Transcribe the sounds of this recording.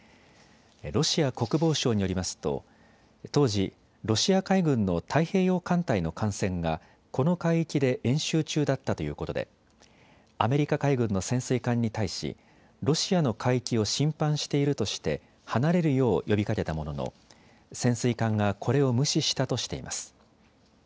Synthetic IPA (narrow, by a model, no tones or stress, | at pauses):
ɾo̞ɕiako̞kɯ̟bo̞ːɕo̞ːɲ̟ijo̞ɾʲimasɨ̥t̪o̞̰ | t̪o̞ːʑi | ɾo̞ɕiakaiɡɯ̟̃nːo̞t̪ʰaihe̞ːjo̞ːkãnt̪aino̞kʰãɰ̃sẽ̞ŋɡa | ko̞no̞kaiːkʲid̪e̞ʔẽ̞ɰ̃ɕɨːt͡ɕɨːd̪at̪ːat̪o̞jɯ̟ːko̞t̪o̞d̪e̞̰ | ame̞ɾʲikakaiɡɯ̟̃nːo̞sẽ̞ɰ̃sɨikãɲ̟ːit̪aiɕḭ | ɾo̞ɕiano̞kʰaiikʲio̞ɕĩmpãɰ̃ɕi̥t̪e̞iɾɯ̟t̪o̞ɕi̥t̪e̞ | hanaɾe̞ɾɯ̟jo̞ːjʔo̞bʲikake̞t̪amo̞no̞no̰ | sẽ̞ɰ̃sɨikãŋɡakʰo̞ɾe̞o̞mɯ̟ɕiɕi̥t̪at̪o̞ɕi̥t̪e̞̰ḭmʔa̰sɨ̥